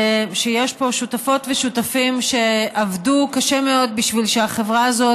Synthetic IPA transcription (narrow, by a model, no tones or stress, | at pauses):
ʃejeʃpo̞ʃutafo̞tveʃutafimʃe̞avdukaʃemeo̞d̪̚biʃvilʃeaχevʁaːzo